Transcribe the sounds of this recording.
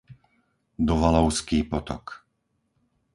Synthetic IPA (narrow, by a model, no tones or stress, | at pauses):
d̪ɔʋalɔʊskiːpɔt̪ɔ̰k